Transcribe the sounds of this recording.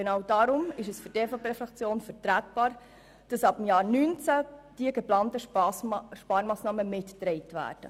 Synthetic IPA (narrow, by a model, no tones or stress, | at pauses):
ɡ̥enɑːwd̥ɑɾʊmɪʃɛsfʏɾteːfɑpeːfɾɑkt͡sjoːnfəɾtɾæːt̚b̥ɑːɾ | d̥ɑsɑbɪmjɑːɾnynt͡sæd̥iəɡeplɑːntəʃʃpɑːɾmɑːsnɑːməmɪtːɾɛɪtʋæ̰ːɾd̥ə̰